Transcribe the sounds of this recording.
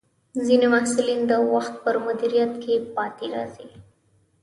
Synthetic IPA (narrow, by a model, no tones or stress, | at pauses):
zinimahsulind̪əwaxt̪̚pəɾmʊd̪iɾijat̪kʰepɑt̪eɾɑ̰zi